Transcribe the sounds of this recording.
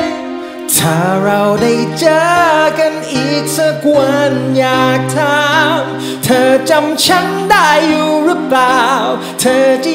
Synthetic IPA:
t̪ʰaː˧˩ɾa˧wda˥˩jt͡ɕɤː˧˦ka˧nʔiː˨˩k̚sa˧kwa˧njaː˨˩k̚t̪ʰa˧m | t̪ʰɤː˧t͡ɕa˧mt͡ɕʰa˦˥ŋda˥˩jːuː˨˩ɾɯ˦˥plaː˨w | t̪ʰɤː˧t͡ɕa˧˩

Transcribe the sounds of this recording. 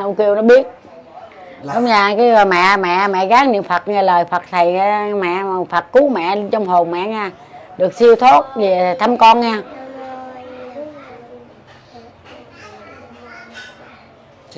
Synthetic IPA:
ʔə˧wŋ͡mki˧əwnɔ˨˦ɓi˦˥ət̚ | ɗʊ˨˦ŋ͡mɲaː˧kaː˨˦jmɛ̰˧˨mɛ̰˧˨mɛ̰˧˨ɣaː˨˦ŋnɨ̰˧˨ənfə˨˩t̚ɲɛː˧˩ləː˨˩jfə˨˩t̚t̪ʰə˨˩ja˧mɛ̰˧˨˩fə˨˩t̚ku˨˦mɛ̰˧˨t͡ɕɔ˧wŋ͡mɦo˨˩wmɛ̰ː˧˨ɲaː˧ | ɗɨ˨˩ək̚si˧əwt̪ʰo˦˥t̚vi˨˩˨t̪ʰa˧mkɔ˧nɲɛː˧

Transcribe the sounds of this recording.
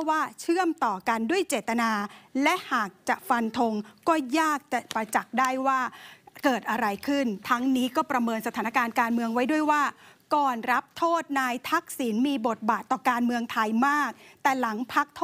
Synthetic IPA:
waː˥˩t͡ɕʰɯ˥˩əmt̪ɔː˨˩ka˧ndu˥˩əjt͡ɕeː˨˩t̪ːa˧naː˧lɛ˦˥ʔhaː˨˩k̚t͡ɕa˨˩ʔfa˧nt̪ʰo˧ŋkɔː˥˩jaː˥˩k̚t͡ɕa˨˩pɾa˧t͡ɕa˨˩k̚daː˥˩jwaː˥˩kɤː˨˩t̪̚ʔa˧ɾa˧jkʰɯ˥˩nt̪ʰa˦˥ŋniː˦˥kɔː˥˩pɾa˧mɤː˧nsa˧t̪ʰaː˩˦na˦˥kaː˧nkaː˧nmɯ˧əŋwa˦˥jdu˥˩əjwaː˥˩kɔː˨˩nɾa˦˥p̚t̪ʰoː˥˩t̪̚naː˧jt̪ʰa˦˥k̚siː˩˦nmiː˧bo˨˩t̪̚baː˨˩t̪ːɔː˨˩kaː˧nmɯ˧əŋt̪ʰa˧jmaː˥˩k̚t̪ɛː˨˩la˩˦ŋpʰa˦˥k̚t̪ʰː

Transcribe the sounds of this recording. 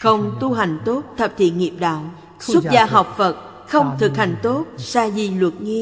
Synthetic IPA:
xə˧wŋ͡mt̪u˧ɦa˨˩jŋ̟t̪o˦˥t̚t̪ʰə˨˩p̚t̪ʰḭ˧˨ŋi˨˩əp̚ɗa̰ː˧˨w | swə˦˥t̚zaː˧ɦa˨˩wk͡p̚fə˨˩t̚ | xə˧wŋ͡mt̪ʰɨ˨˩k̚ha˨˩jŋ̟t̪o˦˥t̚saː˧zi˨˩lwə˨˩t̚ŋi˧

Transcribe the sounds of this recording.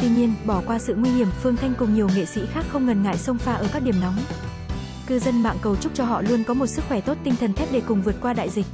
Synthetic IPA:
t̪wi˧ɲi˧ənɓɔ˧˩kwaː˧sɨ̰˧˨ŋwi˧hi˧˩əmfɨ˧əŋt̪ʰa˧jŋ̟kʊ˨˩ŋ͡mɲi˨˩əwŋḛ˧˨sḭ˧˥xaː˦˥k̚xə˧wŋ͡mŋə˨˩nŋa̰ː˧˨jsə˧wŋ͡mfaː˧ʔəː˧˩ka˦˥ɗi˨˩əmnɔ˨˦wŋ͡m | kɨ˧zə˧nɓa̰ː˧˨nkə˨˩wt͡ɕʊ˦˥k͡p̚t͡ɕɔ˧ɦɔ̰˧˨lu˧ənkɔ˨˦mo˨˩t̚sɨ˦˥k̚xwɛ˧˩t̪o˦˥t̚t̪ï˧ŋt̪ʰə˨˩nt̪ʰɛ˦˥p̚ɗe˧˩kʊ˨˩ŋ͡mvɨ˨˩ət̚kwaː˧ɗa̰ː˧˨jzi˨˩k̟̚

